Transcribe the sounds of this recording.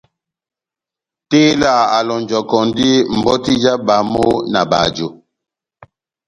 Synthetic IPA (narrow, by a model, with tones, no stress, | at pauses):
teː˦la˦˨a˨lɔ˨n˨d͡ʒɔ˨kɔ˨ndi˦m̩˨bɔ˦ti˦d͡ʒa˦ba˨˦mo˦na˨ba̰˨d͡ʒo˨